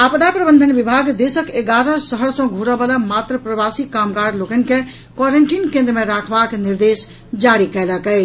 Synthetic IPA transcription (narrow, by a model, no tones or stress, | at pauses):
apd̪apɾəbənd̪ʱənbibʱaɡd̪esəkeɡaɾəsəɦəɾsə̃ɡʱuɾəbəlamat̪ɾəpɾəbasikamɡaɾlokɛnke | kwaɾeɳʈinkẽnd̪ɾəmeɾakʰbakniɾd̪es | d͡ʒaɾikɛləkɛɪ